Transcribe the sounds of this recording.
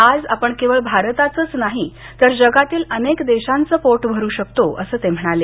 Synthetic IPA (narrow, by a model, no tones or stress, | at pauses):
ad͡za̰pəɳkeʋəɭbʱaɾt̪at͡səːt͡snaɦi | t̪əɾd͡ʑəɡat̪iːlənekd̪eɕãnt͡səːpoʈʋʱəɾuːɕək̚t̪oʔə̰səːt̪em̤əɽ̃ale